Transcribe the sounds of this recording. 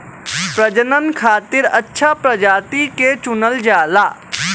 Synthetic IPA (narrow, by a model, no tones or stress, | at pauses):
pɾəd͡ʒənənkʰaːt̪ɪɾɐtːʃʰapɾəd͡ʒaːt̪iket͡ʃʊnəld͡ʒaːlaː